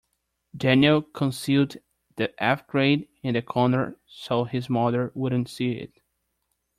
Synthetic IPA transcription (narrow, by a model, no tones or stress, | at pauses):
dænjlˠkʰə̃nsilˠd | ðiʔæfɡ̥ɹeɪɾ | ɨ̃nðɨkʰɔɹnə˞soʊɪzmʌðə˞wʊɾⁿn̩tsiɪ̰t̚